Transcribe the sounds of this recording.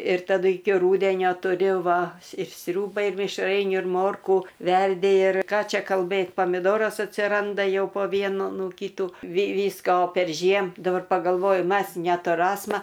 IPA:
ɪr tɐˈdʊ ˈɪkʲɪ ˈruːdʲɛnʲoː tʊˈrʲʊ ˈʋɐ ɪr ˈsʲrʲuːbɐɪ ɪr mʲɪʃˈrɐɪnʲuː ɪr ˈmoːrkuː ˈʋʲɛrʲdʲɪ ɪr ˈkɑː ˈt͡ʃʲɛ kɐlˠˈbɘt poːmʲɪˈdoːrɐs ɐtʲsʲɪˈrɐndɐ ˈjɛʊ poː ˈʋʲiɛnʊ ˈnʊ ˈkʲiːtuː ʋʲɪ ˈʋʲiːskoː pʲɛrʲˈʒʲiɛm dɐˈbɐr pɐɡɐlˠˈʋoːjʊ ˈmɐs nʲɛtʊˈrɑːsmɐ

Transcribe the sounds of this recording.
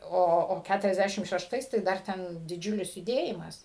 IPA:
ˈoː oː ˌkʲætʊrɐzʲˈdʲæʃʲɪm ʃʲɛʃˈtɐɪs tɐɪ ˈdɐr ˈtʲɛn dʲɪˈd͡ʒʲʊlʲɪs jʊˈdʲeːjɪmɐs

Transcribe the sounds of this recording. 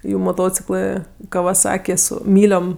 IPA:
ˈjuː moːˈtoːt͡sʲɪklˠɜ kɐʋɐˈsɑːkʲɪ ˈsʊ ˈmʲiːlʲoːm

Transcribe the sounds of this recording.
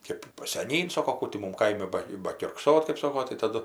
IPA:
ˈkʲeːp sʲɛˈnʲiːn ˈsoːkoː ˈkuː tʲɪ ˈmʊm ˈkɐɪmʲɪ ˈbɐ bɐkʲʊrkˈsoːt kɜp ˈsoːkoː tɐɪ tɐˈdʊ

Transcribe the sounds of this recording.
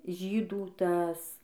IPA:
ˈʒʲiːduː ˈtɐs

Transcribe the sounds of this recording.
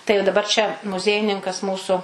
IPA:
tɐɪ jɛʊ dɐˈbɐr t͡ʃʲɛ mʊˈzʲiɛjɪnʲɪŋkɐs ˈmuːsʊ

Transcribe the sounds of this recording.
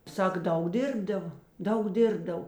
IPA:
ˈsɐk ˈdɐʊk ˈdʲɪrbdɐʋɐ ˈdɐʊk ˈdʲɪrbdɐw

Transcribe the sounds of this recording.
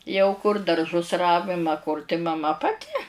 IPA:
jɛʊ kʊr dɐrˈʒʊs ˈrɑːʋʲɪm ɐ kʊr tɐɪ mɐˈmɐ pɐˈtʲɪ

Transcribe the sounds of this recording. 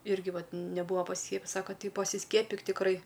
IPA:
ˈɪrʲɡʲɪ ˈʋɐt nʲɛˈbuːɐ pɐsʲɪˈsʲkʲiɛpʲɪjɪs ˈsɑːkɐ ˈtɐɪ pɐsʲɪˈsʲkʲiɛpʲɪk tʲɪkˈrɐɪ

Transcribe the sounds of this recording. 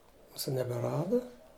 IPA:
ˈmuːsʊ nʲɛbʲɛˈrɑːdɐ

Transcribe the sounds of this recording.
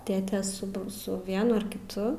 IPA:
ˈtʲeːtʲeː sʊ p ˈsʊ ˈʋʲiɛnʊ ɐr kʲɪˈtʊ

